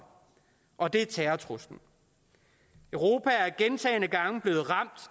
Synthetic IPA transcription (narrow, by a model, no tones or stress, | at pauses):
ʔɒ̽d̥e̝æt͡sʰæɐt͡sʰʁosd̥n̩ | øʊʁo̝ːpʰææɐɡ̥ent͡sʰɛ̰ːɪnəɡ̥ɑ̈ŋb̥le̝ːð̩ˠʁɑ̈m̰d̥